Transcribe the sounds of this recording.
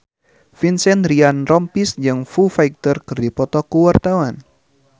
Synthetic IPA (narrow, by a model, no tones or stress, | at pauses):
finsɛnɾianrɔmpisd͡ʒɨŋfufajk̚t̪ərkɨrdipɔt̪ɔkuwart̪awan